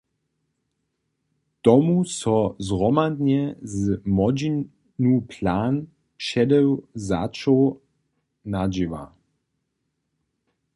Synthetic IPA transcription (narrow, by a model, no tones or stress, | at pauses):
t̪ɔmusɔzʁɔmad̪ɲɛzmɔd͡ʑi | nupʰlaːn | ʃɛdɛwzat͡ʃow | nad͡ʒiʋa̰